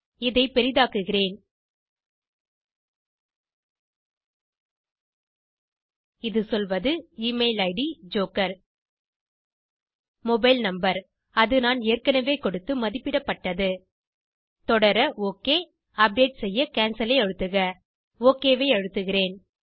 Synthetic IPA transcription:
ɪðɐɪpɛɾɪðaːkɯɣɪreːn | ɪðɯsɔlʋɐðɯiːmeɪlɐɪɽid͡ʒoːkɐɾ | mɔbɐɪlnɐmbɐɾ | ɐðɯnaːneːɾkɐnɐʋeːkɔɽɯt̪ːɯmɐðɪpːɪɽɐpːɐʈːɐðɯ | t̪ɔɽɐɾɐoːkeː | ɐp̚ɖeːʈsɛjːɐkaːnsɐlɐɪɐɻɯt̪ːɯɣɐ | oːkeːʋeːɐɻɯt̪ːɯɣɪreːn

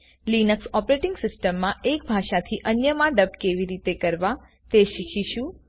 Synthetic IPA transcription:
linəksɔpɾeʈɪŋɡsɪsʈəmːãʔek̚bʱaʃat̪ʰiʔənjəmãɖəb̚keʋiɾit̪ekəɾʋa | t̪eʃikʰiʃũ

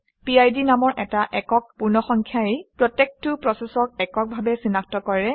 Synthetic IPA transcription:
piajdinamɔɹʔɛtaʔɛkɔk̚puɹnɔxɔŋkʰjaepɹɔtek̚tʊpɹɔsɛsɔk̚ɛkɔk̚bʱabɛsinaktɔkɔɹɛ

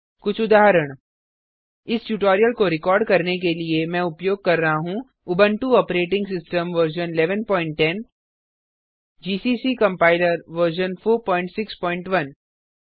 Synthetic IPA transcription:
kʊt͡ʃʰʊd̪aːɦɾəɽ̃ | ɪsʈjuːʈɔːɾijəlkoɾɪkɔːɾɖ̚kɐɾnek̬eliemɛ̃ʊpjoːɡ̚kɐɾːɐɦaɦũ | ʊbə̃ɳʈuɔːpɾeːʈɪ̃ŋɡsɪsʈəmʋɐɾʃənɪlɛːʋənpɔːɪ̃ɳʈːɛn | d͡ʒiːsiːsiːkɐ̃mpaːɪləɾʋəɾʃ̬ənfʰoːɾpɔ̃ːɪ̃ɳʈsɪkspɔːɪ̃ɳʈʋɐn

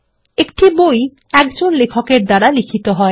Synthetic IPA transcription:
ekʈiboj | ɛkd͡ʑonlekʰokeɾd̪aɽalikʰit̪oɦɔe

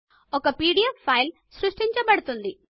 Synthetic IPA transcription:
ɔkɐpiːɽijɐpʰːɐjl | sɾuʂʈiɲt͡ʃɐpɐɽut̪und̪i

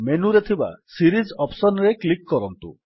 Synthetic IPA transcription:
menuɾet̪ʰiba̰siɾizɔpsɔnɾeklikːɔɾɔnt̪ṵ

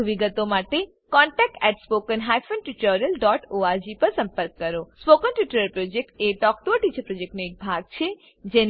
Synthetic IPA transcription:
ʋiɡət̪omaʈe | kɔɳʈɛk̚ʈɛʈspokənɦajfʰənʈuʈəɾəlɖɔʈoaɾd͡ʒipəɾsə̃mpəɾkːəɾospokənʈuʈəɾəlpɾod͡ʒek̚ʈeʈɔk̚ʈoʈid͡ʒapɾod͡ʒek̚ʈnoek̚bʱaɡ̚t͡ʃʰe | d͡ʒen

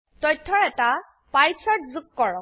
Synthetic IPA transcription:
tɔjtʰːɔɹɛta | pajsɔtzukːɔɹɔ

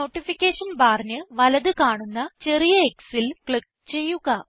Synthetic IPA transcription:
oːʈːifikʲːeːʂɐnbaːrnɨʋɐlɐðɨkaːɳunːɐt͡ɕe̞rijɐeksilkɭik̚ | t͡ɕe̞jːuɣɐ

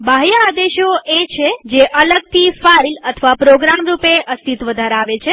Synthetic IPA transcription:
baɦjəːd̪eʃoet͡ʃʰed͡ʒeʔələɡ̚t̪ʰifajlət̪ʰəʋapɾoɡɾamɾupeəst̪ʰit̪ʋəd̪ʱaɾeaʋet͡ʃʰe

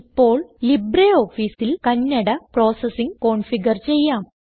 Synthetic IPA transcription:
pːo̞ːɭlibreːoːfiːsilkɐnːɐɽɐpro̞ːsɐsiŋko̞ːɳfiɡɐrt͡ɕe̞jːaːm

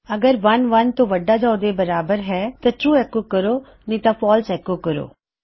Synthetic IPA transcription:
əɡəɾʋɐnʋɐnt̪õːʋəɖːaːd͡ʒaːod̪ebəɾaːbəɾɦɛːt̪aʈɾuːɛkokəɾoː | nĩt̪ãpʰɔːlsɛːkokəɾo̰ː

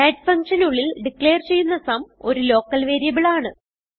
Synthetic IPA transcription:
eːɖfɐŋkʂɐnuɭːilɖikːɭe̞ːɐrt͡ɕe̞jːunːɐsɐmo̞ɾulo̞ːkːɐlʋeːɾijɐbiɭaːɳɨ

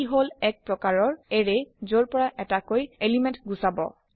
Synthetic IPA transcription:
iɦolɛk̚pɹɔkaɹɔɹeɹezoɹpɔɹaʔɛtakojelimɛ̃ntɡusabɔ̰

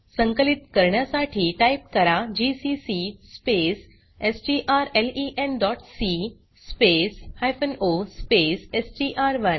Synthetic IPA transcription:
səŋkəlit̪kəɾɳjasaʈʰiːʈaip̚kəɾad͡ʑisisispes | esʈiʔaɾeliʔendɔʈsi | speshajfənospesesʈiʔaɾʋən

